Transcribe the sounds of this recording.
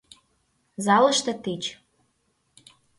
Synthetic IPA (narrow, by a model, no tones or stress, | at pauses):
zɑlɤ̆ʃt̪ɤ̆t̪it͡ɕ